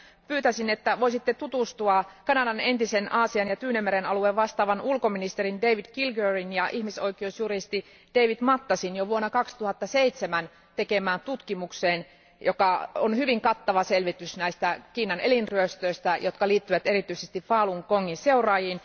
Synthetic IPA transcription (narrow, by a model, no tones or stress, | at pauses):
pyːt̪æsinet̪ːæʋoisit̪ːet̪ut̪ust̪uɑkɑnɑdɑnent̪isenɑːsiɑnjɑt̪yːnemːeɾenɑlueʋʋɑst̪ɑːʋɑnulkominist̪erindeiʋidkilɡørinjɑʔihmisoikiousjurist̪i | d̥eiʋid̥̪mɑt̪ːɑsinjoʋuonːɑkɑkst̪uhɑt̪ːɑseit̪semæn | t̪ekemæːnt̪ut̪kimukseːn | jokɑonhyʋiŋkɑt̪ːɑʋɑselʋit̪ysnæist̪ækiːnːɑnelinryøst̪øist̪æjot̪kɑliːt̪ːyʋæt̪erit̪yisest̪iffɑːluŋkoŋːinseurɑːjiːn